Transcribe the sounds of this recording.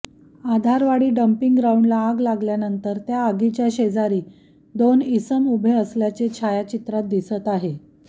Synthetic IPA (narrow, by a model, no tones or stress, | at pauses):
ad̪ʱaɾʋaɽiːɖəmpiŋɡɾauɳɖlaːɡlaɡljanənt̪əɾt̪jaːɡit͡ɕjaɕed͡zaɾiː | d̪onisəmubʱeəsljat͡set͡ɕʰajat͡ɕit̪ɾat̪̚d̪isət̪aɦe